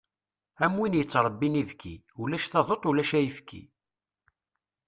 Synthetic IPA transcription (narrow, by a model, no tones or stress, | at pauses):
æmwinjət͡sːɾˤəbːinivkḭ | ulæʃθɑðˤot̪ˤulæʃæjəfkʰḭ